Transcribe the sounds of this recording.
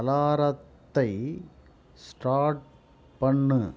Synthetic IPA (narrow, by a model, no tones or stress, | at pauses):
ɐlaːɾɐt̪ːɐɪ | sʈaːʈ̚ | pɐɳːɯ